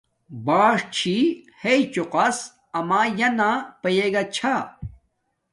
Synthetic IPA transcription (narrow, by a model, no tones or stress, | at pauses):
baːʂt͡ɕʰiheit͡ɕuqɐs | ɐmaːjɐnapɐjeɡɐt͡ɕʰa